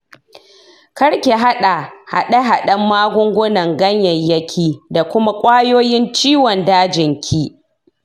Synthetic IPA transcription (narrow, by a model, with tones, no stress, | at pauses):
kɐ˦ɽkʲe˨ɦa˦ɗa˨ha̰˨ɗe˦ɦa˨ɗɐ˦mːaː˦ɡʷʊ˦ŋɡʷʊ˦nɐ˨ŋɡɐ˦ɲjɐ˨jjɐ˦kʲʰiː˨da˨kʷʊ˦ma˦kʷʼaː˦joː˦jɪ˦nt͡ʃiː˦wɔ˨ndaː˦d͡ʒɪ˨ŋkʲʰiː˦